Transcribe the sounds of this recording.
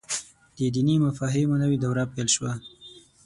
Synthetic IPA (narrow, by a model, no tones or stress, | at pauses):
d̪̥əd̪inimafɑɦemonəwid̪awɾɑpelʃwa